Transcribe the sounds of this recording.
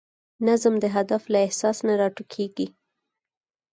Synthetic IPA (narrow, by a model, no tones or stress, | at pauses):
nazmd̪əɦad̪aflaɪhsɑsnaɾɑʈukʰeɡi